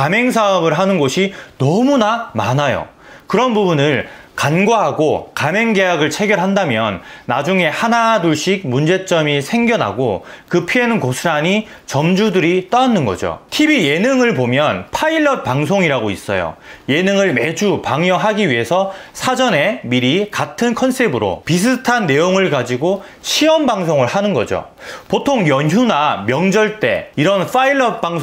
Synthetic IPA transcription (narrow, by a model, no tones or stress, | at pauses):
kame̞ŋs̬ʰaʌbɯɭɦanɯnɡoɕʰinʌmunama̰najo̰ | kɯɾʌnbubunɯɭkanɡwaɦaɡokame̞ŋɡe̞jaɡɯɭt͡ɕʰe̞ɡjʌɭɦandamjʌnːad͡ʑuŋe̞hanaduɭɕ͈ik̚mund͡ʑe̞t͡ɕ͈ʌmisʰe̞ŋɡjʌnɦa̰ɡokɯpʰienɯnkosʰɯɾaɲi | t͡ɕʌmd͡ʑudɯɾit͈ʌanːɯnɡʌ̰d͡ʑo̰tʰibije̞nɯŋɯɭpomjʌnpʰaiɭːʌt̚p͈aŋsʰoŋiɾaɡois͈ʌ̰jo̰je̞nɯŋɯɭme̞d͡ʑupaŋjʌɦaɡiɥiɦe̞sʰʌsʰad͡ʑʌne̞miɾikatʰɯnkʰʌnsʰebɯɾo̰pis̬ʰɯtʰanːe̞joŋɯɭkad͡ʑiɡo | ɕʰiʌmbaŋsʰoŋɯɭhanɯnɡʌd͡ʑo̰ | potʰoŋjʌnjunamjʌŋd͡ʑʌɭt͈e̞̰iɾʌnfʰaiɭːʌp̚p͈aŋ